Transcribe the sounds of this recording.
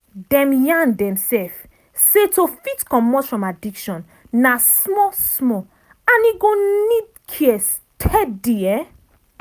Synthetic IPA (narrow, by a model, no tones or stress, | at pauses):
dɛ̃mjãndɛ̃msɛf | setofitkɔ̃mːɔt͡ʃfɹɔ̃madikʃɔ̃nː | asmɔsmɔ | ãniɡõnid̚ | kʰiɛs | tʰɛdiɛ